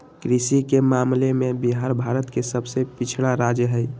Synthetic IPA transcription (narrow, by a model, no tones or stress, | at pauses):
kɾisikemamlemebiɦaɾbʱaɾət̪kesəbʱsepit͡ʃʰɽaɾad͡ʒəɦəj